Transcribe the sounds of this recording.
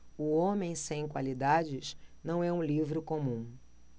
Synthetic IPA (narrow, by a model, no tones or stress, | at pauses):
ʊõmẽj̃sẽj̃kwa̰lid̪ad͡ʒɪʃnɐ̃w̃ɛũlivɾʊkõmũ